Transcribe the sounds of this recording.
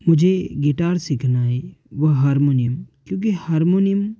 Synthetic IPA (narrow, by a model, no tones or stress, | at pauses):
mʊd͡ʒʱeɡeʈaːɾsikʰnaeʋəɦaɾmonijəmkjõːk̬ihaɾmonijəm